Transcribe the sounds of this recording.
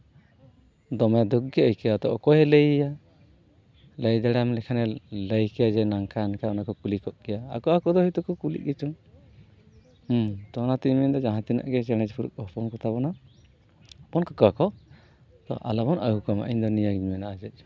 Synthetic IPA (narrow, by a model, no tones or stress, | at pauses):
d̪ɔmad̪uk̚ɡɛəjkɛjat̪ɔʔɔkɔjɛləjja | ləjd̪ɛɽamlɛkʰanɛləjkɛad͡ʒɛnaŋkʰaːnkaɔnakɔkulikɔʔɡɛjaa̰kɔakɔd̪ɔhit̪ɔkɔkulḭʔɡɛt͡ʃuŋ | ht̪ɔnat̪iɲmɛnd̪ɔd͡ʒaɦãt̪ina̰ʔɡɛt͡ʃɛɽ̃ɛd͡ʒpʰuɾṵkɔɦpɔnkɔt̪aβɔna | bɔnkɔkakɔ | t̪ɔ̰ʔa̰labɔnəɦukɔma̰ʔiɲd̪ɔnijaɡiɲmɛnaːd͡ʒɛt̚ˀ